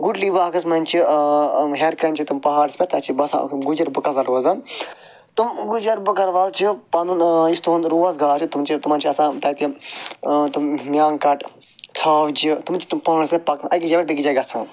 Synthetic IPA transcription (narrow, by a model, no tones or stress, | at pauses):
ɡuɖlibaːkɐsmɐnʲt͡ʃʰi | ɦeɾkɐnt͡ʃʰit̪umpɐɦaːɽspʲeɾt̪ɐt͡ʃibɐsã̰ɡud͡ʒɐɾbɨkɐzɐɾʋɐzɐn | t̪umɡud͡ʒɐɾbɨkɐɾʋɐlt͡ʃʰipɐnunist̪ʰoːnɾuːɐzɡaːt͡ʃit̪umt͡ʃʰit̪umɐnt͡ʃʰiɐsãːt̪ɐt̪ʲi | t̪ummjaːŋkɐʈ | t͡sʰaːʋd͡ʒit̪umt͡ʃʰi̥t̪umpɐnɾsɐpɐkɐɡid͡ʒɐbʲɐʈbɐɡid͡ʒɐɡɐsʰãː